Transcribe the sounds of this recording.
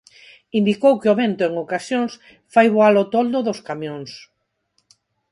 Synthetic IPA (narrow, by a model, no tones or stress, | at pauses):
ind̪ikowkeoβent̪ʊeŋokasjõŋs | fajβoalot̪old̪oðoskamjõŋs